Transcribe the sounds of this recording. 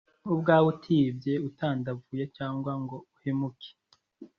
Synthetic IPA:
ubɡaːwutʰiːbɟe̞utaːndavuːjecaːŋɡwaŋɡo̞uhemukʰe̥

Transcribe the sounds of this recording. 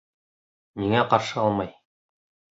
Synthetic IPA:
niŋæqɑɾʃɤɑlˠmɑj

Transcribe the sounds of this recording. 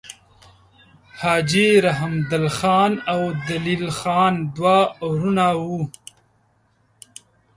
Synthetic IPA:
hɑːd͡ʒiɾaɦɪmd̪ɪlxɑːnawd̪alilxɑːnd̪wawɾunawu

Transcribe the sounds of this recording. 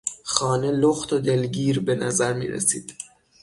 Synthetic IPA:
xɒːne̞loxt̪ʰod̪e̞lɟiːɾbe̞næzæɾmḭːɾḛsiːd̪̥

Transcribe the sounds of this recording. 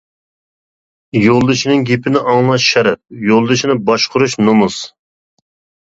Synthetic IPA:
jolˠd̪ɨʃinɨŋɡʲepʰɪnɪʔɑŋlˠɑʃʃɛɾɛp̚jolˠd̪ɨʃinɪbɑʃqʰʊɾuʃnomus

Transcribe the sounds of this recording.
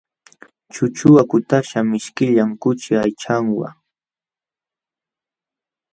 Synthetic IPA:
t͡ʃʊt͡ʃʊwakʊt̪aʃamɪʃkɪʎamkʊt͡ʃɪajt͡ʃaŋwa̰

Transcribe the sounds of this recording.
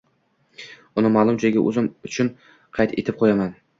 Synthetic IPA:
ʊnɪmɒlˠʊmt͡ʃʰɪɪɡʲɪʔɵ̰zɪmʊt͡ʃʰʊn | qʰɑjt̪ʰḛt̪ʰɪp̚qʰojaman

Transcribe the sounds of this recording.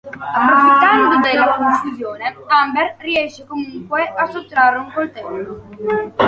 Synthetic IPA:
apːɾofit̪ːand̪od̪elːakoɱfuzjoːnet̪amberriɛʃːekomuŋkweasːot̪ːɾarːeuŋkolt̪ɛlːo

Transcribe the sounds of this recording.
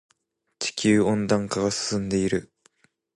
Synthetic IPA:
t͡ɕi̥kʲɨːõ̞nd̪ãŋkaɡasɨ̥sɨ̃nd̪e̞iɾɯ̟

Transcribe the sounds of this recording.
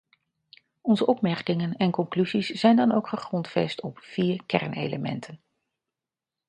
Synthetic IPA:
ɔnzəʔɔpmɛɹkɪŋənɛnkɔŋklyzisz̥ɛjndɑnowkχəχrɔntfɛ̰stɔpfiːɹkɛ̰ɹnḛjləmɛ̰ntʰən

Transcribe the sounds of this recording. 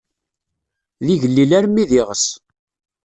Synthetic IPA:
ðiʝəlːilæɾmːiðiʁəs

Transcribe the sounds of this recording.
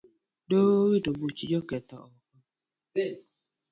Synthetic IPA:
dowitɔbut͡ʃid͡ʒɔketa̰ɔkɔ

